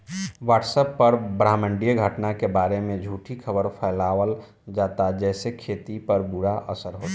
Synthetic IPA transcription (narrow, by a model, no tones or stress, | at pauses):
waːʈsəpːəɾbɾaːmə̃ɳɖijəɡʱəʈnakebaːɾemẽd͡ʒʱuːʈʰikʰəbəɾpʰɛːlaːwəl | d͡ʒaːt̪ad͡ʒɛːsekʰeːt̪ipəɾbʊɽaʔəsəɾɦoːt̪a